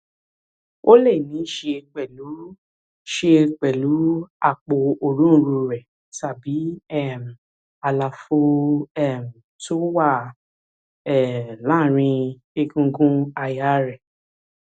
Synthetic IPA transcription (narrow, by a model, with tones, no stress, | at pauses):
o˦le˦˨nĩ˨˦ʃe˧k͡pɛ˨lu˨˦ | ʃe˧k͡pɛ˨lu˨˦a˦˨k͡po˨o˨ɾũ˦˧ɾu˧ɾɛ˨ | ta˨bi˨˦ɛ˦˨m̩˨ | a˨˧la˨fo˧ɛ˦˨m̩˨ | to˦wa˦˨ | ɛ˨lã˦˨ɾ̃ĩ˧ | e˧ɡũ˧ɡũ˦a˧ja˨˦ɾɛ˨